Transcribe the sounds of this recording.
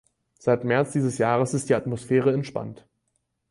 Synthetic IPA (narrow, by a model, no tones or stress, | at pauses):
z̥aɪtmɛɐt͡sd̥iːzəsjaːʁəsɪstd̥iːatmosfɛːʁəɛntʃpa̰nt